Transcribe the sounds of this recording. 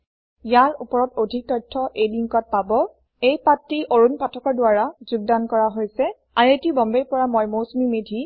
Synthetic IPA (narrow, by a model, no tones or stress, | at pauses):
ijaɹupɔɹɔtodʱik̚tɔjtʰːɔʔejliŋkɔt̚pabɔ | ejpatɹiʔoɹunpatʰɔkɔɹdʊaɹazuɡ̚dankɔɹaɦojsɛ | aɹetibɔmbeɹpɔɹamɔjmosmimedʱi